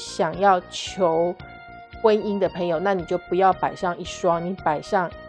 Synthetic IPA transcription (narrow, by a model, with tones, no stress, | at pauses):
ɕjɑ˨˩ŋjɑ˥˩ʊt͡ɕʰjo˧˦ʊ | xwe˥ɪi˦ŋd̪ə˨pʰə˧˥ŋjo˨˩ʊna˥˨ni˨˩t͡ɕjo˥˩ʊpu˧˦jɑ˥˩ʊpa˨˩ɪʂɑ˥˧ŋi˥˩ʂwɑ˥ŋni˧˥˦pa˨˩ɪɕɑ˥˩ŋ